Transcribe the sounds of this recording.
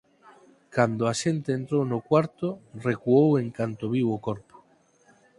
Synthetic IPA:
kand̪oaʃent̪eːnt̪ɾownʊkwaɾt̪orekuoweŋkant̪oβiwokɔɾpo̥

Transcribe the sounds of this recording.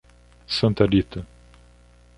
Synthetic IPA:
sɐ̃nt̪ɐɾit̪ɐ

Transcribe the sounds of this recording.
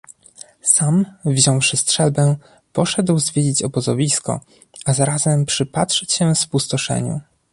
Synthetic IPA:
samvʑɔ̃w̃ʂɘstʂɛlbɛ | pɔʂɛd̪wzvʲjed͡ʑit͡ɕɔbɔzɔvʲiskɔ̰ | azaɾazɛmpʂɘpatʂɛɕɛ̃fspust̪ɔʂɛ̰ɲṵ

